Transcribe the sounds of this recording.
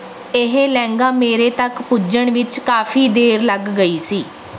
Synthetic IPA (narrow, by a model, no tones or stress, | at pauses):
ɪɦeːlɛ̃ːŋɡaːmeːɾeːt̪əkpʊd͡ʒəɳʋɪt͡ʃkaːfʰiːd̪eːɾləɡːəiːsiː